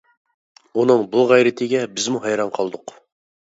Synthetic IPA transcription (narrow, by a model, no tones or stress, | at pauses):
unɨŋbulˠʁæjɾɪt̪ʰɪɡʲɛbɪzmuɦɑjɾɑnqʰɑlˠd̪ʊq